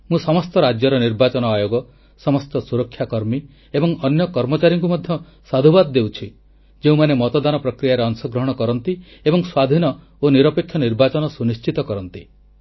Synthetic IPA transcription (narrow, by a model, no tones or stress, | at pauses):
mũsɔmɔst̪ɔɾad͡ʒjɔɾɔniɾbat͡ʃɔnɔajoɡɔ | sɔmɔst̪ɔsuɾɔkʰːjakɔɾmi | ebɔŋɔnjɔkɔɾmɔt͡ʃaɾjɔŋkumɔd̪ʱjɔ | sad̪ʱubad̪ɔd̪ewt͡ʃʰi | d͡ʒeũmanemɔt̪ɔd̪anɔpɾɔkɾijaɾeɔnsɔɡɾɔɦɔɽ̃ɔkɔɾɔnt̪i | ebɔŋswad̪ʱinɔ | oniɾɔpekʰjɔniɾbat͡ʃɔnɔsunist͡ʃit̪ɔkɔɾɔnt̪i